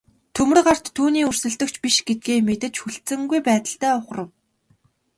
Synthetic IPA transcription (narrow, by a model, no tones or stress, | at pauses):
t̪ʰɵmɘ̆rɢar̥t̪ʰːuːniːɵrsɵ̆ɮt̪ɵ̆kt͡ɕpiʃɡet̪̚ɡeːmet̪ɘ̆t͡ɕxuɬt̪t͡sɘ̆ŋɡujpæːt̪ə̆ɬt̪æːʊχ̆rə̆w